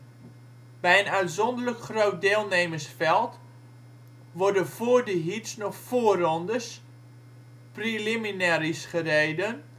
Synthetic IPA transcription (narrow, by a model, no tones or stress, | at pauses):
b̥ɛjənœɥtzɔndələkχrowt̚deːlˠnejməsfɛlˠt | ʋɔrdəfoːrdəɦitsnɔχfoːrɔndəs | priliminɛɾisχəreːdən